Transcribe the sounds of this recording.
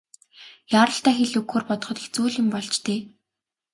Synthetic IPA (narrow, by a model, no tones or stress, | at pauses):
jaɾə̆ɬt̪æːxeɮukxoːrpɔt̪ɞ̥̆χɞ̆t̪ixt͡suːɮɪ̆mpɔɮt͡ɕt̪eː